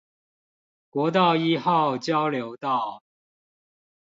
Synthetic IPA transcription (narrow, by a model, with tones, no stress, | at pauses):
kwɔ˨˧˥t̪̬ɑ˥˨ʊi˥˦xɑ˥˨ʊt͡ɕjɑ˦ʊljo˨˧˦ʊt̪ɑ˥˨ʊ